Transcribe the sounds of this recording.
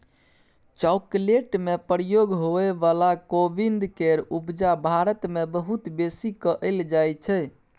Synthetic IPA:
t͡ʃakleʈmepɾəjoɡɦoeʋalakobind̪keɾubd͡ʒabʱaɾət̪mebəɦut̪besikəʔəld͡ʒajt͡ʃʰɛ

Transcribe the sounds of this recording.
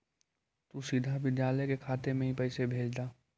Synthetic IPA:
t̪usid̪ʱabɪd̪jaːləkekʰaːt̪emẽɦĩpɛːsebʱeːd͡ʒd̪aː

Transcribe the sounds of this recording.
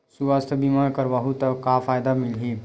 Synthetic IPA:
suʋaːst̪ʰəbimaɾkəɾbaɦut̪əkːafʰaːjd̪amɪlɦi

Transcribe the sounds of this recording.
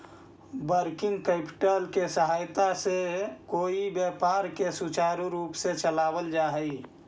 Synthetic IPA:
bəɾkɪ̃ŋɡkeːpɪ̥ʈəlkesəɦaːjt̪asekoːibjɛːpaːɾkesut͡ʃaːɾuɾuːpset͡ʃəlaːwəld͡ʒaːɦəi

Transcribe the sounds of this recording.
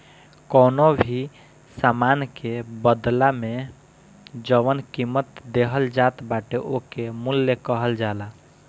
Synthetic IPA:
kənobʱi | samankebəd̪lame | d͡ʒəʋənkimət̪d̪eɦəld͡ʒat̪baʈeʔokemulːekəɦəld͡ʒala

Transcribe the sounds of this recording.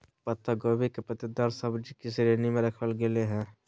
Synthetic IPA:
pət̪aɡobekepət̪ɪd̪aɾsɐbd͡ʒikisɾeːnimẽɾɐkʰəlɡeleɦɛ̃ː

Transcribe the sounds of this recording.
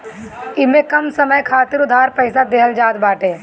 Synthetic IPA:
ɪmẽkɐmsɐməjkʰaːt̪ɪɾʊd̪ʱaːɾpəːɪsad̪eːɦəld͡ʒaːd̪baːʈẽː

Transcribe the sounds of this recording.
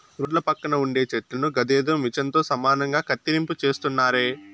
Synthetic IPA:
uɖlɐpɐkːɐnɐuɳɖe̞ːt͡ʃɛʈlɐnuɡɐd̪eːd̪omit͡ʃɐnt̪o̞ːsɐmaːnɐŋɡaːkɐt̪ːiɾimput͡ʃe̞ːst̪unːaːɾeː

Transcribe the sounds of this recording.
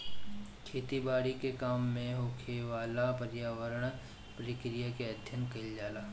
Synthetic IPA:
kʰeːt̪ibaːɽikekaːmːẽɦoːkʰeʋaːlapəɾjaːʋəɾəɳ̃ | pəɾɪkɾɪjakeɐd̪ʱjənkɐɪld͡ʒaːlaː

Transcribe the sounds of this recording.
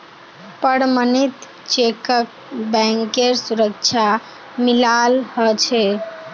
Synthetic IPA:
pəɾmənit̪ | t͡ʃekək̚ | bɛ̃ŋkeɾsuɾək̚t͡ʃʰa | milalhɔt͡ʃʰɛ

